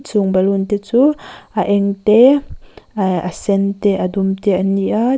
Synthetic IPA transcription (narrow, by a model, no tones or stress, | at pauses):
t͡suŋbɐlunt̪ɛt͡suʔɐʔɛŋt̪ɛ | ɐsɛnt̪ɛʔɐd̪umt̪ɛʔɐniʔa